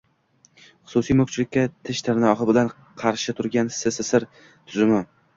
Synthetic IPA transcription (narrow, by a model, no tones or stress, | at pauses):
χʊ̥sʊsijmɵkt͡ʃʰlɪkʲːat̪ʰɪʃt̪ʰɪɾnɪɒχɨbɪlan | qʰɑɾʃɪt̪ʰʊɾɡʲansɪsɪsɪɾ | t̪ʰʊzɪmɪ